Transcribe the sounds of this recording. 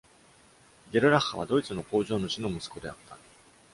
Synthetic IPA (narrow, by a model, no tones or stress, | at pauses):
ɡʲe̞ɾɯ̟ɾahaβ̞a̰d̪o̞it͡sɨno̞ko̞ːʑo̞ːno̞ɕino̞mɯ̟sɨ̥ko̞d̪e̞a̰t̪ːa